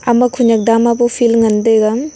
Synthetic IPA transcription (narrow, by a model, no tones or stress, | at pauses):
ɐmɐkʰuɲak̚damabupʰilŋɐndeɡam